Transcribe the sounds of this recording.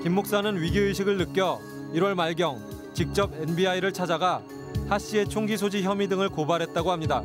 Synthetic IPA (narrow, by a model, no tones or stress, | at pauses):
kimːok̚s͈anɯnɥiɡjoɯɕʰiɡɯɭnɯk͈jʌ | iɾwʌɭmaɭɡjʌŋ | t͡ɕik̚t͡ɕ͈ʌbenbiaiɾɯɭt͡ɕʰad͡ʑaɡa | haɕ͈ie̞t͡ɕʰoŋɡisʰod͡ʑiçjʌmidɯŋɯɭkobaɾɦe̞t̚t͈aɡoɦamɲida